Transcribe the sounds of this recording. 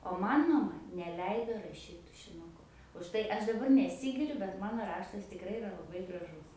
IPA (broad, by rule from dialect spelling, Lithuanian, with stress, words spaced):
oː ˈmɐn mɐˈmɐ nʲɛˈlʲɛɪdoː rɐˈʃʲiːt tʊʃʲɪnʊˈkʊ ʊʃ ˈtɐɪ ˈɐʃ dɐˈbɐr nʲɛˈsʲiːɡʲɪrʲʊ bʲɛt ˈmɑːnoː ˈrɑːʃtɐs tʲɪkˈrɐɪ ɪˈrɐ lˠɐˈbɐɪ ɡrɐˈʒʊs